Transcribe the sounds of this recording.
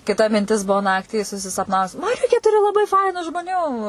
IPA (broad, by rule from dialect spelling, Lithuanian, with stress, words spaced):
kʲɪˈtɐ mʲɪnʲˈtʲɪs ˈbuɔ ˈnɑːktʲiː sʊsʲɪsɐpˈnɑːʋʊs mɐˈrʲʊkʲeː ˈtʊrʲɪ lˠɐˈbɐɪ ˈfɐɪnʊ ʒmoːˈnʲuː